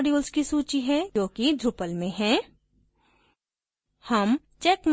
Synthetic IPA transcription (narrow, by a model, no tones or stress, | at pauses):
ɖjuːlskisuːt͡ʃiɦɛ̃ːõːkid͡ʒʱʊpəlmẽɦɛ̃ː | hɐm | t͡ʃɛːkm